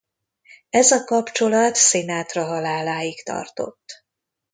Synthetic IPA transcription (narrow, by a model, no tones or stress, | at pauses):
ɛzɒkɒpt͡ʃo̞lɒt̪senaːt̪rɒɦɒlaːlaːjikt̪ɒ̰rt̪o̞̰t̪ː